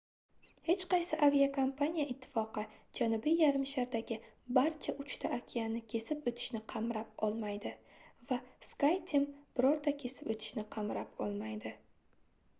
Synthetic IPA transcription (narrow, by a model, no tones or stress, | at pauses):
he̞t͡ʃqɑjsɪʔavijakʰompʰanʲijaɪt̪ʰːɪ̥fɒqɨd͡ʒanʊbijːaɾɪmʃaɾd̪aɡʲɪbaɾt͡ʃʰaʔʊt͡ʃt̪ʰaʔakʲʰijanɪkʲʰe̞sɪpot̪ʰɪ̥ʃnɪqʰɑmɾapɒlˠmajd̪ɪvaskajt̪ʰɪmb̥ɪɾɒɾd̪akʲʰe̞sɪpot̪ʰɪ̥ʃnɪqʰɑmɾapɒlˠmajd̪ɪ